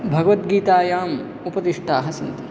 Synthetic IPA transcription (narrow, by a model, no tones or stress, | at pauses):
bʱɐɡɐʋɐt̪ɡiːt̪aːjaːm | upɐt̪iʂʈʰaːɦɐsɐnt̪ɐ̥